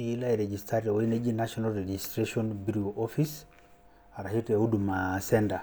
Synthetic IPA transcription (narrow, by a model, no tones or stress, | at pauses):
ilaiɾɛd͡ʒistaɾɛwained͡ʒinaʃɔnalɾɛd͡ʒistɾeʃɔnbiɾuʔɔfis | aɾahitɛudumasɛnda